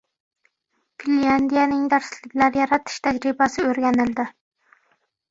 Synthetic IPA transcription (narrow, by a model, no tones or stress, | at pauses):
pʰiliand̪ijanɪŋd̪æɾslɪkʲlaɾjɑɾɑt̪ʰɪ̥ʃt̪ʰæd͡ʒɾɪbasɪoɾɡʲanɪld̪ɪ